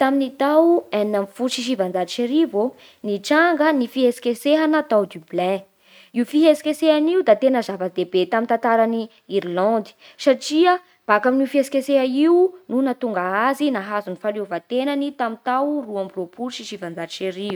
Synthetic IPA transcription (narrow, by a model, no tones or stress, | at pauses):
t̪aminit̪awannamfuʃiʃ̬ivand͡zait͡ʃeɾivo | niʈ͡ʂaŋɡənifiɦesi̥keseɦanət̪awd̪yblɛ̃ | iufiɦesi̥kesehaniud̪at̪enəzavəd̪ebet̪amint̪ãnt̪aɾani | iɾlɑ̃nd̪i̥ | saʈ͡ʂiə | b̥akaminiufiesi̥keseɦaiununat̪uŋɡaazinaɦazunifaliovat̪enanit̪amint̪awruambropuɾʃiʃivand͡zait͡ʃeɾiu